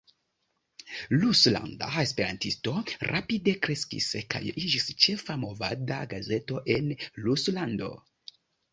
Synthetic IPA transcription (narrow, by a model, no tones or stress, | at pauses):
lusla̰ndaespe̞ɾa̰ntisto̞ɾʔapide̞kɾe̞skḭska̰jid͡ʒist͡ʃe̞famo̞vadaɡaze̞to̞ʔe̞nluslando̞̰